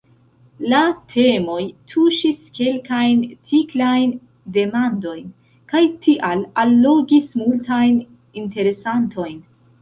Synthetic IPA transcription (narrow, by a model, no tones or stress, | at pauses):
latʰe̞mo̞jtʰuʃiske̞lkajntiklajn | de̞mando̞jn | kajtʰiʔalalːo̞ɡismultajn | inte̞ɾe̞santʰo̞jn